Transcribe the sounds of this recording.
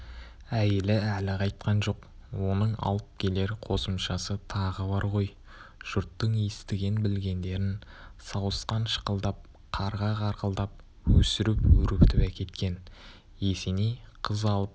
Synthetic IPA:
æjelɪælɪqʰɑjt̪̚qɑnʒo̞q | wo̞nəɴɑ̰lˠəp̚kʲʰe̞le̞ɾqʰo̞səmʃɑsət̪ʰɑʁəbɑɾʁo̞j | ʒ̥ʊɾt̪ːəɴijɪst̪ɪɡʲenbɪlɡʲe̞nd̪e̞ɾɪnsɑwəsqɑnʃə̥qəlˠd̪ɑp̚ | qʰɑɾʁɑʁɑɾqəlˠd̪ɑp̚ | wɵsɪɾɪpwɵɾɪpt̪ɪpækʲe̞t̪kʲe̞n | je̞senijqʰəzɑlˠəp̚

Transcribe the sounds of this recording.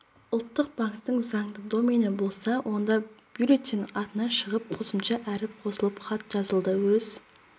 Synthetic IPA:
ʊlˠt̪ːəq̚bɑŋkt̪ːəɴzɑŋd̪əd̪o̞menəbo̞lˠsɑwʔo̞nd̪ɑb̥juɾet̪ːinɑt̪ənɑʃəʁəp̚qʰo̞səmʃɑʔæɾɪp̚qʰo̞səlˠəpχɑt̪ʒ̥ɑzəlˠd̪əwɵz

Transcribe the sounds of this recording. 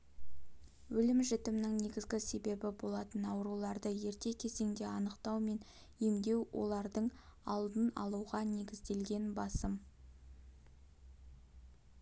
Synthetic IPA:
wɵlɪmʒʏt̪ɪmnɪŋne̞ɡʲɪzɡʲɪse̞be̞bɪbo̞lˠɑt̪ənɑwɾulˠɑɾd̪əje̞ɾt̪e̞kʲʰe̞ze̞ŋd̪e̞ɑnəqt̪ɑwme̞n | jemd̪e̞wwʔo̞̰lˠɑɾd̪əɴɑlˠd̪ənɑ̰lˠuʁɑne̞ɡʲɪzd̪e̞lɡʲe̞nbɑsəm

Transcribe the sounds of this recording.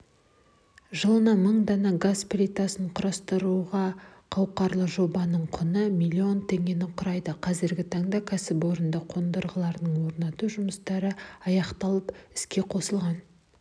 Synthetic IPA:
ʒəlˠənɑməɴd̪ɑnɑɡasplʲit̪asəɴqʰʊɾɑst̪əɾuʁɑqʰɑw̚qɑɾlˠəʒo̞bɑnəɴqʰʊnəmʲilʲːio̞nt̪ʰe̞ŋɡʲe̞nɪqʰʊɾɑjd̪əqʰɑzɪɾɡʲɪt̪ʰɑɴd̪ɑkʲʰæsɪpwo̞ɾənd̪ɑqʰo̞nd̪əɾʁəlˠɑɾnəɴwo̞ɾnɑt̪uʒʊməst̪ɑɾəɑjɑqt̪ɑlˠəpɪskʲe̞qʰo̞səlˠʁɑn

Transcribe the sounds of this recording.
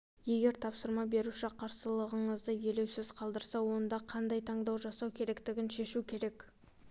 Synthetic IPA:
je̞ɡʲe̞ɾt̪ʰɑpsəɾmɑbe̞ɾuʃɪqʰɑɾsəlˠəʁəɴəzd̪əje̞le̞wsɪz̥qʰɑlˠd̪əɾsɑwo̞nd̪ɑqʰɑnd̪ɑjt̪ʰɑɴd̪ɑwʒɑsɑwkʲʰe̞ɾe̞kt̪ɪɡʲɪnʃe̞ʃukʲʰe̞ɾe̞k

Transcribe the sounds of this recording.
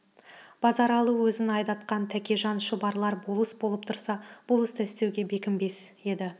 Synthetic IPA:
b̥ɑzɑɾɑlˠuwɵzɪnɑjd̪ɑt̪qɑnt̪ʰækʲe̞ʒɑnʃʊbɑɾlˠɑɾbolˠəsbo̞lˠəp̚t̪ʰʊɾsɑb̥ʊlˠɪst̪ʰæɪst̪e̞wɡʲe̞be̞kʲɪmbe̞se̞d̪ɪ

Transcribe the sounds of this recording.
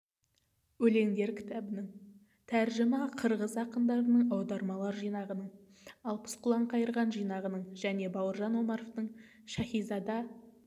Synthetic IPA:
wɵle̞ŋd̪e̞ɾkʲʰɪ̥t̪ʰæbɪnɪɴ | t̪ʰæɾʒɪmɑqʰəɾʁəzɑqənd̪ɑɾənəɴɑwd̪ɑɾmɑlˠɑɾʒijnɑʁənəɴ | ɑlˠpʰə̥sqʰʊlˠɑɴqʰɑjəɾʁɑnʒijnɑʁənəɴʒæne̞bɑwəɾʒɑnwo̞mɑɾoft̪əɴ | ʃɑχijzɑd̪ɑ

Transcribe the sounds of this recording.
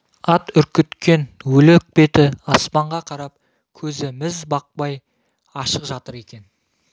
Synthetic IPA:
ɑt̪ʏɾkʲɪt̪kʲe̞nwɵlɪk̚be̞t̪ɪɑspɑɴʁɑqʰɑɾɑp̚ | kʲʰɵzɪmɪzbɑq̚pɑj | ɑʃəqʒɑt̪əɾe̞kʲe̞n

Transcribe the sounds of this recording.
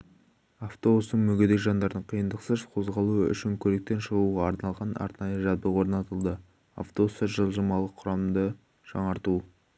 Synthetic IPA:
aft̪o̞bust̪əɴmɵɡʲed̪ejʒɑnd̪ɑɾd̪əɴqʰijənd̪əqsəzqʰo̞zʁɑlˠuʏ̰ʃɪŋkʲʰɵɾe̞k̚t̪e̞nʃəʁuʁɑɑɾnɑlˠʁɑnɑ̰ɾt̪nɑjəʒɑzbəʁwo̞ɾnɑt̪əlˠd̪ə | a̰ft̪obusɑʒəlˠʒəmɑlˠəqʰːʊɾɑmd̪ə | ʒ̥ɑ̰ɴɑɾt̪u

